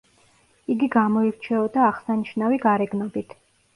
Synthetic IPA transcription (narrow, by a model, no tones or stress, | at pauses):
iɡiɡamɔiɾt͡ʃʰɛɔd̪aːʁsaniʃnaviɡaɾɛɡnɔbit̪ʰ